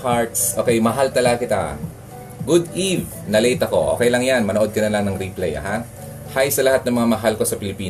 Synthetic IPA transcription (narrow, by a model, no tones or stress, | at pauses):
kaɹt̪sʔo̞ːkɛjmɐɦalt̪ɐlɐɡɐkɪt̪a̰ | ɡʊd̪ʔiv | nɐlejt̪ɐko̞ʔo̞̰kɛjlɐŋjanmɐnoʔo̞d̪̚kɐnɐlɐŋnɐŋɾiplejɐ̰ha | hajsɐlɐhat̪̚nɐŋmɐŋamɐɦalko̞sɐpɪlɪpiːn